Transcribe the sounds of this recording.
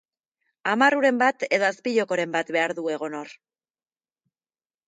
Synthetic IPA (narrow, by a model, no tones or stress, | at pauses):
amaruɾe̞mbat̪e̞ðo̞aspiʎo̞ko̞ɾe̞mbat̪be̞aɾðue̞ɣ̞o̞no̞r